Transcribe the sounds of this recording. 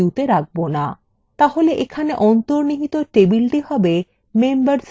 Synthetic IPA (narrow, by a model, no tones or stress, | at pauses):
ut̪eɾaɡ̚bona | t̪aɦoleʔekʰaneʔɔnt̪oɾniɦit̪oʈebilʈiɦɔbe | membaɾs